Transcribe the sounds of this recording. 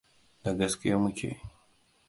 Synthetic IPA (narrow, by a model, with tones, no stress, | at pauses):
da˨ɡɐ˦skʲɪ˦ja˦mʊ˦kʲḛː˨